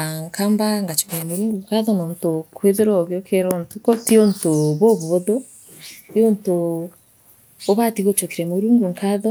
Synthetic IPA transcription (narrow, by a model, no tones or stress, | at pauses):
aŋkʰaːmbaŋɡat͡ʃo̥kiɾemoɾuːŋɡuŋkaðɔnoːntokʰweðeɾoɣeokʰeɾontukotiontoβoβuβoðo | tionto | βatiɣot͡ʃokiɾemuɾuːŋɡuŋkaðɔ